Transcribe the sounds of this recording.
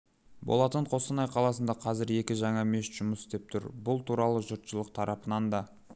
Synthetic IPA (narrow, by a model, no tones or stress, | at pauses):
bo̞̰lˠɑt̪əɴqʰo̞sənɑjqʰɑlˠɑsənd̪ɑqʰɑzɪɾe̞kʲɪʒɑɴɑme̞ʃʒ̥ʊməsɪ̥st̪e̞p̚t̪ʰʊɾbʊlˠt̪ʰuɾɑlˠəʒʊɾt̪ʃəlˠəqt̪ʰɑɾɑpənɑnd̪ɑ